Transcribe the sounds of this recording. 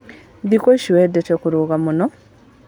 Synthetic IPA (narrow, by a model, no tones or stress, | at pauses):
ðikoʃiwedetekuɾuɣamunɔ